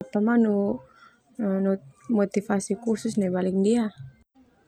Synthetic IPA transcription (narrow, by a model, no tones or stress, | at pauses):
pamanu | numɔt̪ifasikursusnɛbalik̚dia